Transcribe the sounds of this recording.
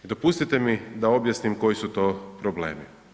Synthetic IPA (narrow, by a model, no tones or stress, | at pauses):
id̪o̞puːst̪it̪e̞mid̪ao̞bjasnimko̞jisut̪o̞ːpɾoble̞̰ːmi